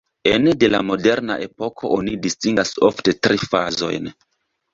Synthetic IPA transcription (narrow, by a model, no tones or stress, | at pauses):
enede̞la̰mo̞de̞ɾna̰ʔe̞po̞kʰo̞̰ʔonidistiŋɡaso̰fte̞tɾʔifa̰zo̞̰jn